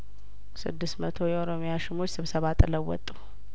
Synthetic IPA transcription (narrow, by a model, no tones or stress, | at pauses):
sɨ̰d̪ːɨst̪mət̪ʰo̞jɛʔoɾo̞mijaʃɪmot͡ʃːsɨβsəβat̪ʼɨləwːɔ̰t̪ʼːu